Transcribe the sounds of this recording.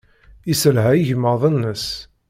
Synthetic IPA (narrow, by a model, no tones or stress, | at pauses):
isəlɦæjəʝməðˤənːəs